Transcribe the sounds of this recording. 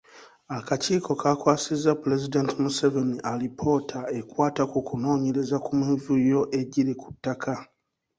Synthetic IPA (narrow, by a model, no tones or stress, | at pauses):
akaciːko̞kakwaːsizːapuɾe̞zidentimuseveniʔalipʰo̞ːtʰae̞kwaːtakukuno̞ːɲe̞ɾe̞zakumivujo̞ʔe̞ɟiɾiku̥tːakʰa